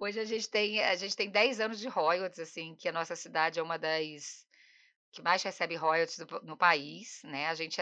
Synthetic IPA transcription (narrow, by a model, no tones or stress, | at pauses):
oʒɪaʒẽnt͡ʃɪ̥t̪ẽj̃a̰ʒẽnt͡ʃɪ̥t̪ẽj̃d̪ɛjzɐ̃nʊzd͡ʒɪɦɔjot͡ʃɪzasĩẽkɪɐnɔsɐsid̪ad͡ʒɪɛũmɐd̪ɐs | kɪmajshesɛbɪɦɔjot͡ʃɪzd̪ʊnʊpaisnɛaʒẽnt͡ʃɪ